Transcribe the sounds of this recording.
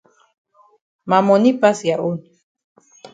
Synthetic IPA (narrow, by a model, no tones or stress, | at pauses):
mamonipasjaʔun